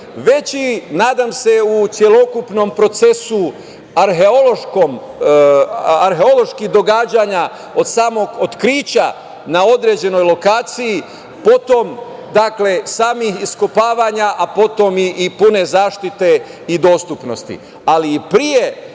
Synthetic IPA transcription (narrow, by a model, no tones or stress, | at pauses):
ʋe̞t͡ɕinaːd̪amse̞ut̪sje̞lo̞kupno̞mpɾo̞t̪sesu | aɾɦeoloʃkom | aɾɦe̞o̞lo̞ʃkiɦd̪o̞ɡaːd͡ʑaɲa | o̞d̪saːmo̞ɡo̞t̪kɾiːt͡ɕa | nao̞d̪ɾe̞d͡ʑe̞no̞jlo̞kaːt̪siji | po̞t̪o̞m | d̪akle̞saːmixiskopaːʋaɲaʔapo̞t̪o̞miʔːpune̞zaːʃt̪it̪e̞ | id̪o̞ːst̪upno̞̰st̪ḭ | alipɾije̞